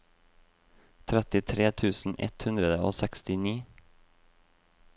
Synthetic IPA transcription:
t̪ʰɾɛt̪ɪt̪ʰɾeːt̪ʰʉːsn̩ʔɛ̰t̪hʉnd̪ɾəd̪əo̰ːsɛkst̪ɪniː

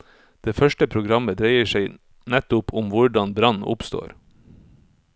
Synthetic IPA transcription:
d̪̥eːfœʃʈəpʰɾʊɡɾɑməd̪ɾæɪəʃæɪ | nɛt̪ʊpʰʊmʋʊɖɑnbɾɑnʊ̰pst̪o̰ːɾ

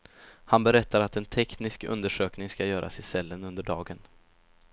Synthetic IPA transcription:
hanbɛɾɛt̪ːaɾat̪ɛnt̪ʰɛknɪskɵ̰nd̪əʂøːknɪŋskajœːɾʔa̰sɪsɛlːənɵnd̪əɖɑːɡən

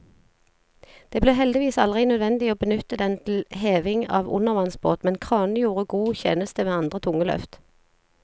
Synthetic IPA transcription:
d̪̥eːbleːɦɛld̪ɪʋiːsɑlʁɪnœd̪ʋɛnd̪ɪoːbənʏt̪əd̪ɛnt̪ʰl̩heːʋɪŋɑ̰ːʋʊ̰nəʁʋɑnsbo̰ːt̪mɛnkʰʁɑːnəjuːʁəɡuːçḛːnəst̪əʋeːɑnd̪ʁət̪ʰʊŋəlœ̰ft̪

